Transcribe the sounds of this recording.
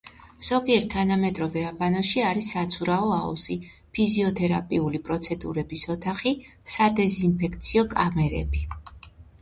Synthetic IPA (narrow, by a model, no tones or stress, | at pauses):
z̥ɔɡiɛɾt̪ʰːanamɛd̪ɾɔvɛabanɔʃiaɾisːat̪sʰuɾaɔaṵzi | pʰiziɔt̪ʰɛɾapʼiulipʼɾɔt̪sʰɛd̪ṵɾɛbisɔt̪ʰaχisad̪ɛzinpʰɛkʰt̪sʰiɔkʼamɛɾɛ̰bi